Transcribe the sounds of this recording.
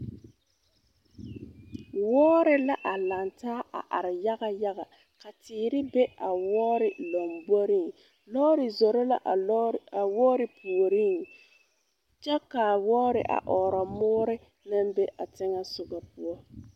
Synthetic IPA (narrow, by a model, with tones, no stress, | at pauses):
wɔː˦ɾɪ˨la˦ʔa˨la˨ntaː˦ʔa̰˨ʔa̰˨ɾɪ˨ja˦ɣa˨ja˦ɣa˨ | ka˨tɪː˨ɾɪ˦bɛ˦a˨wɔː˦ɾɪ˨la˨mbɔ˦ɾi˦ŋ | lɔː˦ɾɪ˨zɔ˨ɾɔ˦la̰˦˨ | a˨wɔː˦ɾɪ˨pʰu˨ɾi˦˨ŋ | t͡ʃɛ˦ka˨wɔː˦ɾɪ̰˨ʔa̰˨ʔɔː˨ɾɔ˨mʊː˦ɾɪ˦ | na˦mbɛ˦ʔa˨tɪ˦ŋa˦sʊ˨ɡa˨pu˦ɔ˦